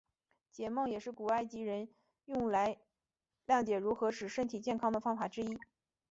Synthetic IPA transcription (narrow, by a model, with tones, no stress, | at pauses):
t͡ɕjɛ˨˩mɤ˥˩ŋjɛ˨˩ʂɻ̩˥˩ku˨˩a˥ɪt͡ɕi˧˥ɻə˧˥n | jʊ˥˩ŋla˧˥ɪ | ljɑ˥˩ŋt͡ɕjɛ˨˩ɻu˧˥xɤ˧˥ʂɻ̩˨˩ʂə˥nt̪ʰi˨˩t͡ɕjɛ˥˩nkʰɑ˥ŋd̪ə˨fɑ˥ŋfa˨˩ʈ͡ʂɻ̩˥i˥